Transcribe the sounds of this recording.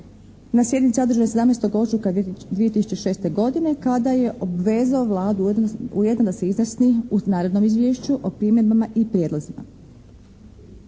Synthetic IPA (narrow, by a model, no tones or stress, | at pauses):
nasje̞d̪nit̪siod̪ɾ̩rʒujese̞d̪amnest̪oɡo̞t͡ʃukad̪ʋije̞t̪isu̥t͡ɕeʃeːst̪e̞ɡo̞d̪ine̞kad̪aje̞ʔo̞bʋe̞ːzaoʋlˠaːd̪uujed̪nod̪ase̞iznasniunaːɾed̪no̞mizʋjeːʃt͡ɕuʔo̞pɾimed̪bamaʔipɾjed̪lˠazima̰